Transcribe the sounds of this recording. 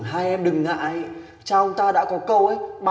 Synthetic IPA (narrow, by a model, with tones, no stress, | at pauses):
nɦaː˧jʔɛ˧mɗɨ˨˩ŋːa̰ː˧˨j | t͡ɕaː˧ʔə˧˦ŋ͡mt̪aː˧ɗa̰ː˧˥kɔ˨˦kə˧wʔə˨˧˦jɓa˧